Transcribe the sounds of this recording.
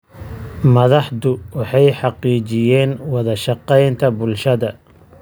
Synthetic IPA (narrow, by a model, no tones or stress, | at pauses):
mɐðɑħd̪ʊwɑħɑjħɑqiːt͡ʃɪjɛːnwɑðɐʃɑqɛjnt̪ʰɐbʊlʃɐðɐ